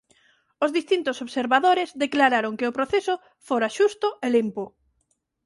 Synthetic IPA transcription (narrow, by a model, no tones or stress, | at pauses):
ozðist̪int̪osoβseɾβaðoɾezðeklaɾaɾoŋkɪʊpɾoθesʊ | foɾaʃust̪ʊelimpo